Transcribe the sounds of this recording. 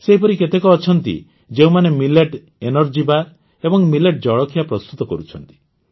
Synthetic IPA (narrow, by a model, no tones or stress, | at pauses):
seɦipɔɾiket̪ekɔːt͡ʃʰɔnt̪ḭ | d͡ʒeumanemileʈ | enɔɾd͡ʒibaɾ | ebɔŋmileʈ̚d͡ʒɔɭɔkʰijapɾɔst̪ut̪ɔkɔɾut͡ʃʰɔnt̪i̥